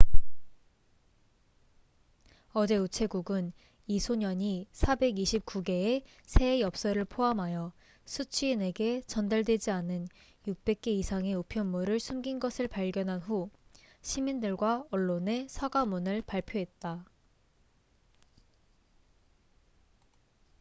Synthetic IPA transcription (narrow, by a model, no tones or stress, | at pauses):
ʌd͡ʑe̞ut͡ɕʰe̞ɡuɡɯn | isʰoɲʌɲisʰabe̞ɡiɕʰip̚k͈uɡe̞ː | sʰe̞jʌp̚s͈ʌɾɯɭpʰoɦamɦajʌ | sʰut͡ɕʰuine̞ɡe̞t͡ɕʌndaɭdwe̞d͡ʑianɯn | juk̚p͈e̞k̚k͈e̞isʰaŋe̞upʰjʌnmuɾɯɭsʰumɡinɡʌsʰɯɭpaʎɡjʌnɦanɸu | ɕʰimindɯɭɡwaʌɭːone̞sʰaɡamunɯɭpaɭpʰjoɦe̞t̚t͈a